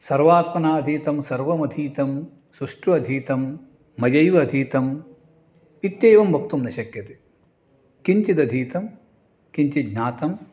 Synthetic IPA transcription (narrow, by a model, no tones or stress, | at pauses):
sɐɾʋaːt̪̚mɐnaːɐd̪ʱiːt̪ɐmsɐɾʋɐmɐd̪ʱiːt̪ɐm | suʂʈuɐd̪ʱiːt̪ɐmː | ɐd͡ʒɐjʋɐːd̪ʱiːt̪ɐm | it̪jeːʋɐmbʱɐk̚t̪umnɐʃɐkjɐt̪e | kiɲt͡ʃid̪ɐd̪ʱiːt̪ɐm | kiɲt͡ʃiɡnaːt̪ɐm